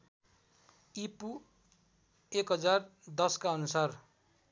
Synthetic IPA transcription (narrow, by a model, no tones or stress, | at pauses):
ipu | ekɦʌd͡zard̪ʌskaʌnusar